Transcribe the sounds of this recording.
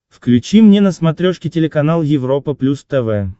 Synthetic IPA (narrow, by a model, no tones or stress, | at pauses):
fklʲʉt͡ɕimnʲenəsmɐt̪ɾʲoʂkʲɪtʲɪlʲɪkɐnalˠjɪvɾo̞pəplʲust̪ɛvɛ